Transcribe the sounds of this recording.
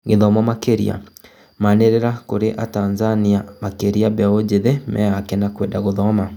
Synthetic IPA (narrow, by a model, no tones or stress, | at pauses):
ɣeðɔmamakeɾḭa̰ | maneɾeɾakoɾeʔa̰tanzaniamakeɾiabɛaod͡ʑeðɛmʔɛ̰akɛnakwɛndaɣoðɔma